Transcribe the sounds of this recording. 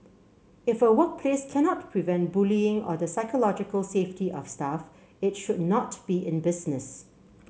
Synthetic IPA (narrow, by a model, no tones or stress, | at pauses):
ɪfəwɔt̚pʰleskʰɛnɔt̚pʰɹivɛ̃nt̚b̥uliɪ̃ŋɔ̰ðəsaɪkʰəlɔd͡ʒɪkəlˠseftiʔɔfstaf | ɪtʃʊdⁿnɔtb̥iʔɪ̃nbɪznɪs